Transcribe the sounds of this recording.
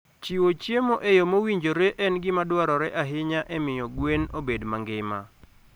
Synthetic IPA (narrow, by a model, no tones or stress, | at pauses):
t͡ʃiwot͡ʃjemoʔejomowiɲd͡ʒoɾeʔɛnɡɪmadwaɾɔɾɛʔaɦɪɲaʔɛmɪjɔɡwenobedmaŋɡɪma̰